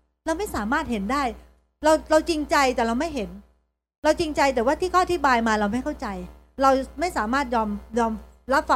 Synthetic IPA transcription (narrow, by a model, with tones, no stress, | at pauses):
ɾa˧wma˥˩jsaː˩˦maː˥˩t̪̚he˩˦ndaː˥˩j | ɾa˧wɾa˧wt͡ɕi˧ŋt͡ɕa˧jt̪ɛː˨˩ɾa˧wma˥˩jɦe˩˦n | ɾa˧wt͡ɕi˧ŋt͡ɕa˧jt̪̬ɛː˨˩waː˥˩t̪ʰiː˥˩ɔː˥˩ʔa˨t̪ʰi˦˥baː˧jmaː˧ɾa˧wma˥˩jkʰa˥˩wt͡ɕa˧j | ɾa˧wma˥˩jsaː˩˦maː˥˩t̪̚jɔː˧mjɔː˧mɾa˦˥p̚fa˨˩